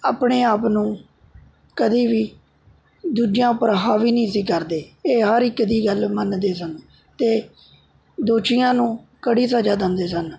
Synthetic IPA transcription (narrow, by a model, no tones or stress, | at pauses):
a̰ːpɳeːaːpnũː | kəd̪iːʋiː | d̪uːd͡ʒjãːpəɾɦaːʋiːnĩːsiːkəɾd̪eːeːɦəɾɪkːd̪iːɡəlmənd̪eːsən | t̪eː | d̪oːʃɪjãːnũːkəɽiːsəd͡ʒaːd̪ə̃ːnd̪eːsən